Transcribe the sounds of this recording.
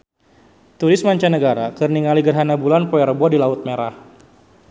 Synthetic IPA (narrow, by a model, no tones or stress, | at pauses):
t̪uɾɪsmaɲt͡ʃanəɡaɾakɨrniŋaliɡərɦanabulanpɔɛrbɔdilaʊt̪̚meɾah